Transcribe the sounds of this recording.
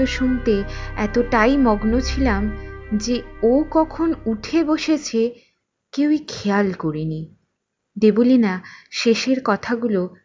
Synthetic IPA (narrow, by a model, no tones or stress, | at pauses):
oʃunt̪eɛt̪oʈajmɔɡnot͡ɕʰilamd͡ʑeowkɔkʰonuʈʰeboʃet͡ɕʰe | kewikʰealkoɾini | d̪ebolinaʃeʃeɾkɔt̪ʰaɡulo